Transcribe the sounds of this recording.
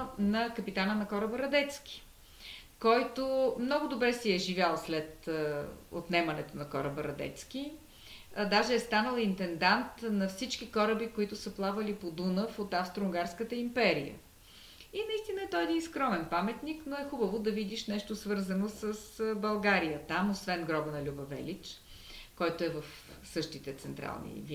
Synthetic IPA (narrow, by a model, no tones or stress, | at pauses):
nɐkɐpit̪anənɐkɔɾəbəɾɐd̪ɛt̪sk̟i̥ | kɔjt̪omnɔɡʊd̪obɾɛsiɛʒivʲjalˠslɛt̪ | o̰t̪nɛmɐnɛt̪onɐkɔ̰ɾəbəɾɐ̰d̪ɛ̰t̪sk̟i | d̪aʒɛːst̪anəlˠint̪ɛnd̪ant̪nɐfsit͡ʃkikɔɾəbikoit̪ʊsəplˠavəlipod̪unəfot̪afst̪ɾoŋɡaɾskət̪əimpɛɾḭjə̰ | inɐist̪inəɛt̪ɔɛd̪inskɾɔmɛnpamɛt̪niknoɛxubəvod̪ɐvid̪iʃnɛʃt̪osvɤɾzənosəsbɐlˠɡaɾijət̪amosvɛnɡɾɔbənɐlʲubɐvɛ̰lit͡ʃ | kɔjt̪oɛvəf | sɤʃt̪it̪ɛt̪sɛnt̪ɾa̰lˠnḭv